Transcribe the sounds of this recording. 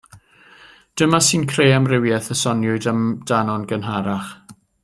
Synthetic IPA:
d̥əmasiːnkʰreːamrɪwjɛθəsɔnjʊɨdamd̥anɔnɡənɦaɾaχ

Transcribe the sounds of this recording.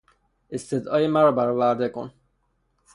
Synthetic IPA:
est̪ed̪ɒːjemæɾɒːbæɾɒːvæɾd̪e̞ko̰n

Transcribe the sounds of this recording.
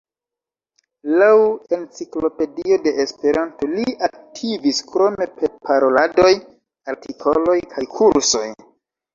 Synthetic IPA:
lawe̞nt͡siklo̞pe̞dio̞de̞espe̞ɾanto̞liak̚tʰiviskɾo̞me̞peɾpʰaɾo̞lado̞j | aɾtikʰo̞lo̞jkʰajkʰuɾso̞̰j

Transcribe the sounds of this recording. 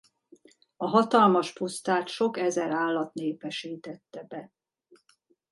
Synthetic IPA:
ɒɦɒt̪ɒlmɒʃpust̪aːt̪ʃo̞kɛzɛɾaːlːɒt̪neːpɛʃiːt̪ɛt̪ːɛbɛ

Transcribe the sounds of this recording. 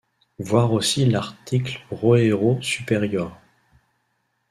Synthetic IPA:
vwaʁosilaʁt̪ʰiklʁɔeʁosypeʁjœːʁ

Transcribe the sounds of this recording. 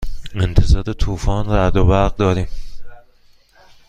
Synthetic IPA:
ent̪ʰezɒːd̪et̪ʰuːfɒːnræd̪obæɾɣd̪ɒːɾiːm

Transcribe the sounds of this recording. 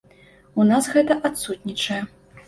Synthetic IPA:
unasɣɛt̪ɐʔat̪sut̪ʲnʲit͡ʂɐjɛ

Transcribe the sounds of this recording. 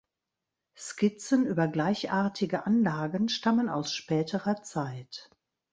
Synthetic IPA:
skɪt͡sənʔyːbɐɡlaɪçʔaːɐtʰɪɡəʔanlaːɡənʃtaməna̰ʊsʃpɛːtʰəʁɐt͡saɪt

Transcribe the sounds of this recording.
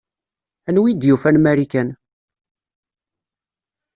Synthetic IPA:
ænwid̪jufænmæɾikæn

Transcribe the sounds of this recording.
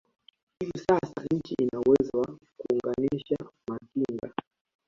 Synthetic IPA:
hivisasa̰ɲ̩t͡ʃiʔinawɛzwa | kuuŋɡaniʃamatiŋɡa̰

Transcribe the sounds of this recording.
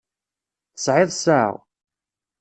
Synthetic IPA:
θəsʕɪðˤsa̰ʁ

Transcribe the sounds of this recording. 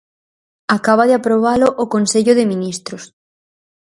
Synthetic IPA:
akaβaðeapɾoβ̞alʊʔʊkonseʎʊðɪmĩnist̪ɾʊs

